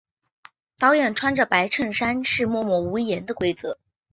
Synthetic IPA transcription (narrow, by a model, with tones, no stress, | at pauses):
t̪ɑ˥ʊjɛ˥˩nʈ͡ʂʰwa˥nʈ͡ʂə˨pa˧˥ɪʈ͡ʂʰɤ˥˩ŋʂa˥nʂɻ̩˥˧mwɔ˥˧mwɔ˥˩u˧˥jɛ˧˥nd̪ə˧kwe˥ɪt͡sɤ˧˥˦